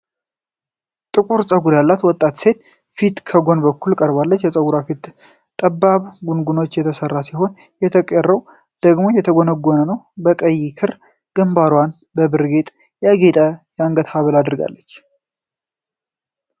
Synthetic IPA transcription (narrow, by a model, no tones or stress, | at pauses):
t̪ʼɨkʼuɾsʼəɡuɾjalːat̪wɔt̪ʼːat̪se̞t̪ | fit̪kʰəɡo̞nbəkʰːulkʼəɾbalːət͡ʃːjɛsʼəɡuɾafit̪ | t̪ʼəbːaβɡunɡuno̞t͡ʃːjɛt̪ʰəsərːasiɦo̞n | jɛt̪ʰəkʼɛrːəw | d̪̥əɡmo̞jɛt̪ʰəɡonəɡːonənəw | bəkʼəjːikʰɨɾ | ɡ̥ɨmbaɾwan | bəbɨɾɡet̪ʼ | jaɡet̪ʼəjaŋɡət̪haβəlad̪ɾɡa̰lːət͡ʃː